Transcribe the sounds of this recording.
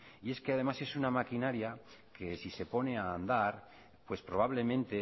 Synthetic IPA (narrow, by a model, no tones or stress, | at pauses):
ie̞ske̞að̞e̞mase̞sunamakinaɾjake̞sise̞po̞ne̞aːnd̪aɾ | pwe̞spɾo̞β̞aβle̞mẽnt̪e̞